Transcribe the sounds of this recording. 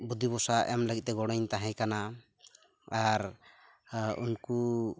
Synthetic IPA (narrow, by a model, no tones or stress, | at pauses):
bud̪ibɔsaʔɛmləɡit̪̚t̪ɛɡɔɽ̃ɔɲt̪aɦɛ̃kana | aɾ | ṵnku